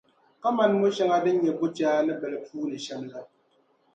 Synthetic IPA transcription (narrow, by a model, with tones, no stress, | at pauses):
ka˦ma˦nmo˦ʃɛ˦ŋa˦dɨ˦ɲɛ˨bo˦d͡ʒaː˦nɨ˦bɛ˨lɛ˨puː˦nɨ˨ʃɛ˦mla˦